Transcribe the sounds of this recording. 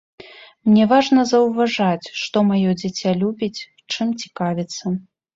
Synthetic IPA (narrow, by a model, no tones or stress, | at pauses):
mnʲɛvaʐnɐzɐwvaʐat͡sʲʂt̪ɔmajɔd͡zʲat͡sʲalʲubʲit͡sʲ | t͡ʂɨmt͡sʲi̥kavʲit̪sːɐ